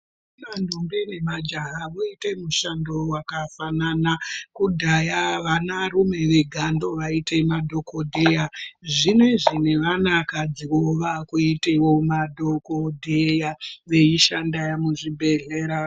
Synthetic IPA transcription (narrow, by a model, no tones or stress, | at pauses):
nandʱombenemad͡ʒaɦaʋoite̞muʃando̞wakafananakudʱajaʋanarume̞ʋe̞ɡʱando̞ʋaite̞madʱo̞kodʱejaʐine̞ʐine̞ʋanakad͡ziwoʋakuite̞wo̞madʱokodʱejaʋe̞iʃandajamuʐibʱe̞ɮe̞ːɾa